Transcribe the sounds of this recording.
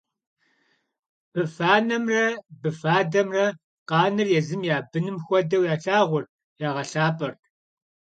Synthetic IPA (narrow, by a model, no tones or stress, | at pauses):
b̥ɨfaːnɐmrɐbɨfaːdɐmrɐ | qɑːnɨrjɛzɨmjaːbɨnɨmxʷɔdɐwjaːɬaːʁʷʊr | jaːʁɐɬaːpʼɐrtʰ